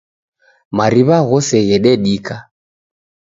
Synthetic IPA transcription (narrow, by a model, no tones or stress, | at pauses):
maɾiβaɣɔsɛɣɛɗɛɗika